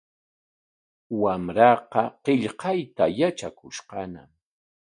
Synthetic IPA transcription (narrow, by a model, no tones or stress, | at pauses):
wamɾɑqɑqɪʎqɑjt̪ajat͡ʃakʊʃqɑna̰m